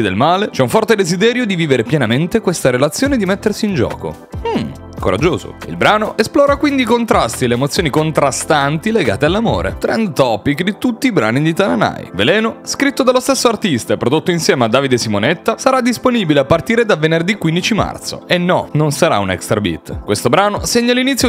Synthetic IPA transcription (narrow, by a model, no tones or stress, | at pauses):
id̪elmaːlet͡ʃɛuɱfɔrt̪ed̪ezid̪ɛːɾjod̪iviːveɾepjɛnament̪ekwest̪aɾelat̪sːjoːned̪imet̪ːersiːnd͡ʒɔ̰ːko̰ | m̩ | koɾa̰d͡ʒːoːzo̰ḭlbɾaːnoʔesplɔːɾakwind̪iːkont̪ɾast̪ileːmot̪sːjoːnikont̪ɾast̪ant̪ileɡa̰ːt̪ealːamo̰ːɾḛt̪ɾɛnd̪t̪ɔpikːd̪it̪ut̪ːiːbɾa̰ːnid̪it̪anana̰j̰velɛːnoskɾit̪ːod̪alːost̪esːoart̪ist̪aɛpːɾod̪ot̪ːoinsjɛːmead̪ːaːvid̪esimonet̪ːasaɾad̪ːisponibileapːart̪iːɾed̪avenerd̪ikːwind̪it͡ʃima̰rt̪so̰enːɔnonsaɾa̰unɛ̰kst̪ɾabḭt̪ːkwest̪obɾaːnoseɲːalːinit̪sjo